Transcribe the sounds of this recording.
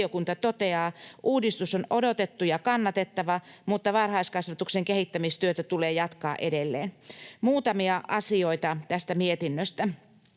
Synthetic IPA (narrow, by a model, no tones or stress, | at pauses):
okunt̪ɑt̪ot̪eɑːʔuːdist̪usonodot̪et̪ːujɑkɑnːɑt̪et̪ːɑʋɑmut̪ːɑʋɑrhɑiskɑsʋɑt̪ukseŋkehit̪ːæmist̪yøt̪æt̪uleːjɑt̪kɑ̰ːʔedelːḛːnmuːt̪ɑmiɑʔɑsioit̪ɑt̪æst̪æmiet̪inːøst̪æ